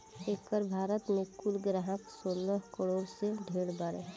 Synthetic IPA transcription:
eːkəɾbʱaːɾət̪mẽkulɡɾaɦəksoːləɦkəɽoːɾseɖʱeːɽbaɾe

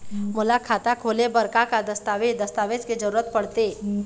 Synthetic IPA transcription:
mʊlakʰat̪akʰolebəɾkakad̪əst̪aʋed̪əst̪aʋed͡ʒked͡ʒəɾuɾət̪̚pəɽt̪e

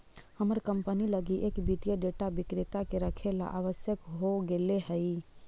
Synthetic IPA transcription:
həməɾkəmpəniləɡiʔekbit̪jəɖeʈabɪkɾɪt̪akeɾəkʰela̰ʔaʋəsjəkɦoɡeleɦəi

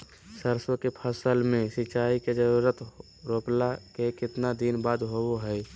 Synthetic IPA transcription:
səɾswəkepʰəsəlmẽsɪt͡ʃaːiked͡ʒəɾuːɾət̪ | ɾoːplakekɪt̪nad̪inbaːd̪ɦoɦɛː

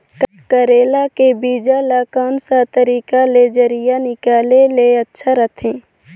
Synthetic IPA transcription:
k | kəɾeːlakebiːd͡ʒalakɔːnsat̪əɾiːkaled͡ʒəɾijanɪkaːleleətːʃʰaɾət̪ʰẽː

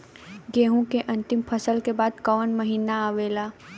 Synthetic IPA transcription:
ɡeːɦũkeʔɐ̃nt̪ɪmpʰəsəlkebaːd̪kəʋənmɐɦiːnaaʋeːlaː

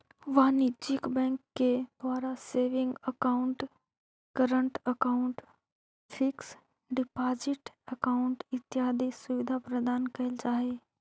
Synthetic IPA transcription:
ʋanit͡ʃɪkbɛ̃ːŋkːed̪waːɾaseːʋɪ̃ŋɡəkaʊ̃ɳʈ | kəɾəɳʈəkaʊɳʈ | fʰɪks | ɖɪpaːd͡ʒɪʈəkaːʊ̃ɳʈɪt̪jaːd̪ʱisʊʋɪd̪ʱapɾəd̪aːnkɐɦɪld͡ʒaːɦe

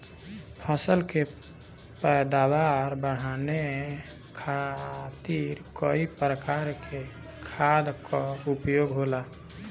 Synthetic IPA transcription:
pʰəsəlke | pɛd̪abaɾbəɽ̤ane | kʰat̪iɾkoipɾəkaɾkʰe | kʰad̪kɔupjoɡɦola

